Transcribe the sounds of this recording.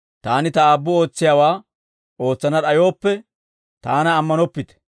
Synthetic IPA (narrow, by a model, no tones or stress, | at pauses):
t̪aːnɪt̪ɐaːbːʊo̞ːt͡sːɪjaːwaː | o̞ːt͡sːɐnɐɗɐjo̞ːpːɛ | t̪aːnɐːmːɐnɔpːɪt̪ɛ̥